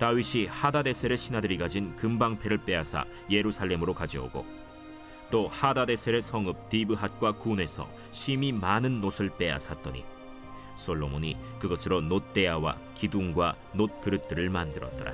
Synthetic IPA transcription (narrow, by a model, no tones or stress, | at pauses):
tawɥiɕʰihadade̞sʰe̞ɾeɕʰinɦadɯɾiɡad͡ʑinkɯmbaŋpʰeɾɯɭp͈e̞asʰa̰ | je̞ɾusʰaɭːe̞mɯɾokad͡ʑʌ̰o̰ɡo̰ | t͈ohadade̞sʰeɾesʰʌŋɯp̚tibɯɦat̚k͈wakune̞sʰʌ̰ | ɕʰimimanɯnːosʰɯɭp͈e̞a̰sʰat̚t͈ʌɲḭ | s͈oɭːomoɲikɯɡʌsʰɯɾonot̚t͈e̞awa̰ | kiduŋɡwa | not̚k͈ɯɾɯt̚t͈ɯɾɯɭmandɯɾʌ̰t̚t͈ʌɾa̰